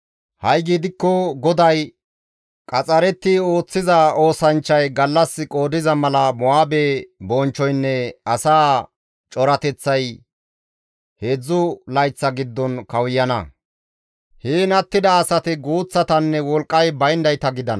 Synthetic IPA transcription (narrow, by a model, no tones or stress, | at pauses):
hɐjɡiːd̪ɪkːɔɡɔd̪ɐj | kʼɐt͡sʼɐɾɛt̪ːɪo̞ːt͡sːɪzɐo̞ːsɐnt͡ʃːɐjɡɐlːɐsːɪkʼo̞ːd̪ɪzɐmɐlɐmɔaːbebɔnt͡ʃːɔjnːɛɐsaː | t͡ʃʼɔɾɐt̪ɛt͡sːɐj | heːd͡zːʊlɐjt͡sːɐɡɪd̪ːɔnkɐwjːɐnɐ̰ | hiːnɐt̪ːɪd̪ɐːsɐt̪ɪɡuːt͡sːɐt̪ɐnːɛwɔlkʼːɐjbɐjnd̪ɐjt̪ɐɡɪd̪ɐn